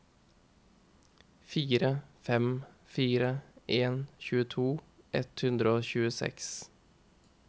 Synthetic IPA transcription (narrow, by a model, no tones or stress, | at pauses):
fiːɾəfɛm | fiːɾəʔeːnçʉːət̪ʰuː | ʔɛt̪hʉnd̪ɾəoːçʉːəsɛ̰ks